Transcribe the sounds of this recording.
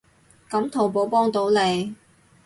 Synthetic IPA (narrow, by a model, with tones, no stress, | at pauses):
kɐ˨˥mt̪ʰo˨˩wpo˨˥wpɔː˥ŋt̪o˨˥wle˨˧j